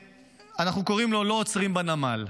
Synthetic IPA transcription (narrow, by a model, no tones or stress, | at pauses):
anaχnuko̞ʁimlo̞lo̞ːt͡sʁimbanamal